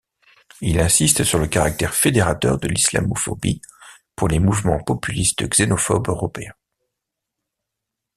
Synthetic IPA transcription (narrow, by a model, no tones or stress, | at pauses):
ilɛ̃sist̪syʁləkaʁak̚t̪ɛʁfed̪eʁat̪œʁd̪əlisla̰mɔfɔ̰bi | puʁlemuvmɑ̃pɔpylist̪̚d̪əɡz̥enɔfɔbøʁɔpeɛ̃